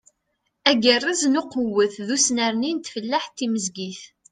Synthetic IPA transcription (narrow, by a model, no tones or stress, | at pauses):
æɡərˤːaznʊqəwːəθðusnəɾnint̪fəlːaħt̪ːiməzɡiθ